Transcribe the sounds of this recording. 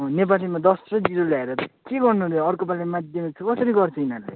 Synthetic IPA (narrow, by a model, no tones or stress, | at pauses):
ʌnep̬alsʌmad̪ʌsrʌd͡ziɾolaeɾʌt̪ʌkeɡʌrnuɾeʌɾkopalemad̪jʌmikt͡sʰʌkʌsʌɾiɡʌrt͡sʰʌinalaj